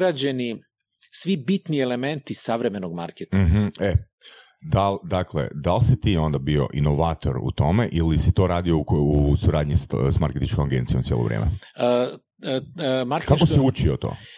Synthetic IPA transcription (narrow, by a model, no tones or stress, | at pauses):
ɾad͡ʑeni | sʋibit̪nielement̪isaʋɾemenoɡma̰ɾket̪ɦm̩e | d̪ald̪akle̞̰d̪alsit̪iːo̞nd̪abio̞̰ʔinoʋaːt̪o̞ɾṵt̪o̞meʔilisit̪o̞ːɾaːd̪iousuɾaːd̪ɲissmaɾket̪it͡ʃkomaɡent̪sijomt̪jḛːlo̰ɾʔḛːmḛ | maɾkkakosiut͡ʃiot̪o̰ː